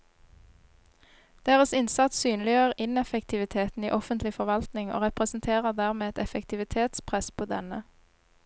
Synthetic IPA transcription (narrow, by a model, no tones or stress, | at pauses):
d̪̥eːʁəsɪnsɑt̪ssyːnlɪøəʁɪnɛfəkt̪ʰɪʋɪt̪ʰeːt̪n̩iːʔɔfənt̪lɪfɔʁʋɑlt̪nɪŋo̰ːʁɛpʁɛsn̩t̪ʰeːʁəʁd̪æːʁmeːɛt̪ɛfɛkt̪ʰɪʋɪt̪ʰeːt̪spʰʁɛspʰoːd̪ɛnə